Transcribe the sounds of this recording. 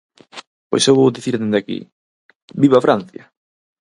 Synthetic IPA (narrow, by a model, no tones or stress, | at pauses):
po̰jsewβowðiθiɾðend̪akḭ | biβafɾan̟θjɐ